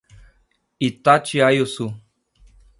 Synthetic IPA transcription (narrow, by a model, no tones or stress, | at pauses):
it̪at͡ʃiajosu